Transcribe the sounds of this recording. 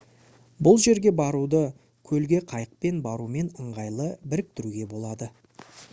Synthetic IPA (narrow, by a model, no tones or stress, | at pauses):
bʊlˠʒe̞ɾɡʲe̞bɑɾud̪ə | kʲʰɵlɡʲe̞qʰɑjəq̚pe̞nbɑɾume̞nəɴʁɑjlˠəbɪɾɪk̚t̪ɪɾuɡʲe̞bo̞lˠɑd̪ə